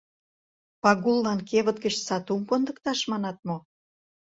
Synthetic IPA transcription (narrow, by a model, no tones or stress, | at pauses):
pɑɣulːɑnkeβə̆t̪̚ɡə̆t͡ɕsɑt̪umkond̪ə̆kt̪ɑʃmɑnɑt̪̚mo